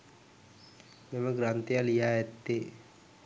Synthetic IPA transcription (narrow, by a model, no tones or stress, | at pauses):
meməɡɾant̪ejalijaːɛt̪ːe